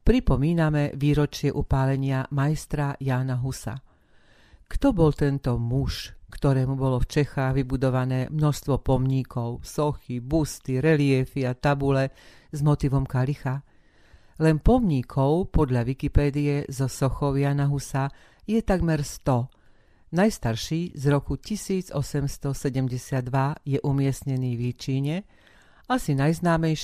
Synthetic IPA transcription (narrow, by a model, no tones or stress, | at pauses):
pɾipɔmiːnamɛʋiːɾɔt͡ʃɪɛʔupaːlɛɲɪamajst̪ɾajaːnaɦusa̰ | kt̪ɔbɔlt̪ɛnt̪ɔmuʃkt̪ɔɾɛːmubɔlɔft͡ʃɛxaːɣʋibud̪ɔʋanɛːmnɔʃst̪ʋɔpɔmɲiːkʰɔʊsɔxibust̪iɾɛlɪɛfiat̪abulɛ | zmɔt̪iʋɔmkalixa | lɛnpɔmɲikʰɔʊpɔd̪ʎaʋikipɛːd̪iɛzɔsɔxɔʋɪanaɦusa | jɛt̪aɡmɛɾst̪ɔ | najst̪aɾʃiːzɾɔkucisiːd͡zɔsɛmst̪ɔsɛɟɛmɟɛsɪad̪ːʋajɛʔumɪɛsɲɛniːʋit͡ʃiːɲɛ | asinajznaːmɛjʃ